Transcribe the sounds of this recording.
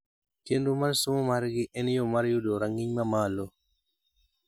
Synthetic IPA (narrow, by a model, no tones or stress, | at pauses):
kendumaɾsumomaɾɡɪʔɛnjomaɾjodoɾaŋɪɲmamalo